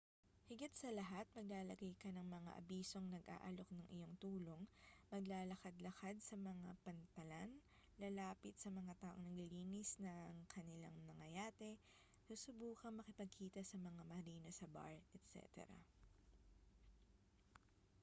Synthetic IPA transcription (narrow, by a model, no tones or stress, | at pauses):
hɪɡɪt̪̚sɐlɐɦat̪̚mɐɡ̚laːlɐɡajkɐnɐŋmɐŋa̰ʔɐ̰biːsoŋnɐɡʔa̰ːʔɐlo̞k̚nɐŋʔɪjo̞ŋt̪uːlo̞ŋmɐɡlaːlɐkad̪lɐkad̪̚sɐmɐŋapɐnt̪ɐlan | lɐlaːpɪt̪sɐmɐŋat̪aːʔoŋnɐɡliliːnɪsnɐŋkʰɐnɪla̰ŋnɐŋɐjaːt̪ɛ | suːsʊbuːkɐŋmɐkɪpɐɡ̚kʰiːt̪ɐsɐmɐŋamɐɾiːnɐsɐba̰ɹɛt̪sɛ̰ːt̪ɛ̰ɾɐ̰